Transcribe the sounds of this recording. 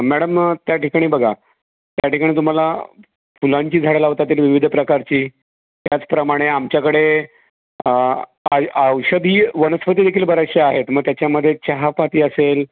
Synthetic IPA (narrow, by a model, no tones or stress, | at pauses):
mæɽəmt̪jaʈikaɽ̃iːbəɡʱa | t̪jaʈikaɽ̃iːt̪̬um̤ala | fulaɲt͡ɕiːd͡zʱaɽelaʋt̪at̪iːlʋiʋid̪ʱəpɾəkaɾt͡ɕiː | t̪jat͡spɾəmaɽ̃eamt͡ɕjakəɽe | aəwʂəd̪ʱiːʋənəspət̪iːd̪ekʰiːlbəɾaʂjəaɦet̪məɡ̚t̪jat͡ɕjaməd̪ʱːjet͡ɕəɦapat̪iːəsel